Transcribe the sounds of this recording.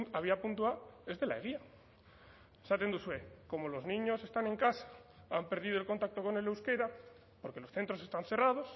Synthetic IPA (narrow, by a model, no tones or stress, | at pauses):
aβ̞iapunt̪uae̞zðelaeɣia | sat̪end̪usweko̞mo̞lo̞znĩɲo̞se̞st̪ane̞ŋkasḁ | ampe̞ɾð̞iðolko̞nt̪ak̚t̪o̞ko̞ne̞lewske̞ɾa | po̞ɾke̞lo̞sθe̞nt̪ɾo̞se̞st̪anθe̞rað̞o̞s